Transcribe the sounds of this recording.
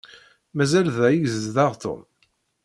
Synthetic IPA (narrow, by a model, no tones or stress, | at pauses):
mæzælðæjiʝzððɑʁt̪o̰m